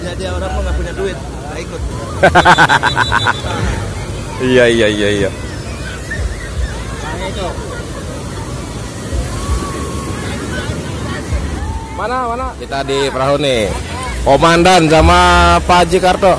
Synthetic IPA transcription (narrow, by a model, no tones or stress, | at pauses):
d͡ʒadiaoɾaŋpaŋɡapuɲaduɪt̪̚ | ɡaikʊt̪̚ | ijaijaijaija | anat̪ɔ | manamanadit̪adipɾaɦuni | komandansamapad͡ʒikart̪ɔ